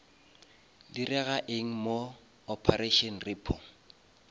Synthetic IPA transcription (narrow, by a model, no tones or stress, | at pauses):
dirɛɣaʔeŋ̩mo | ɔpʰareʃɔnrɪːpʰɔŋ